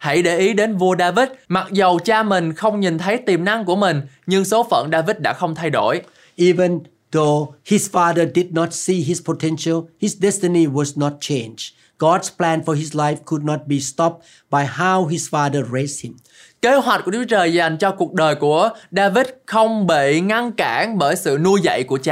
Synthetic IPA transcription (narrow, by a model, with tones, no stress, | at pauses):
ha̰˧˩jɗe˧˩ʔi˨˦ɗe˨˦nvu˧əɗaː˧vi˦˥t̚ma˨˩t̚zə˨˩wt͡ɕaː˧mï˨˩ŋ̟xə˧wŋ͡mɲi˨˩nt̪ʰə˨˦jt̪i˨˩mna˧ŋku˧˩əmï˨˩ŋ̟ | ɲɨ˧ŋso˨˦fə̰˧˩nɗaː˧vi˦˥t̚ɗa̰ː˧˥xə˧wŋ͡mt̪ʰa˧jɗo̰˧˩j | ʔivə̃n | ðohisfaðədid̚nɔtsiɦispʰotʰɛ̃nʃəlhisdɛ˦stəniwɔznɔt̚t͡ʃʰẽnd͡ʒ | ɡ̥ɔdsplɛ̃˧nfɔɹɦislajfkʰʊd̚nɔ˧t̚bi˨stɔ˦p̚ | ba˨jɦawɦisfaðəɹes̚hɪ̃m | ke˨˦ɦwa˨˩t̚ku˧˩ə˩u˩˦t͡ɕəː˨˩jza˨˩jŋ̟t͡ɕɔ˧ku˨˩ək̚ɗəː˨˩jku˧˩əɗaː˧vi˦˥t̚xə˧wŋ͡mɓe˧˨ŋa˧nkaː˧˩˥nɓəː˧˩jsɨ̰˧˨nu˧əzə̰˧˨jku˧˩ət͡ɕaː˧˨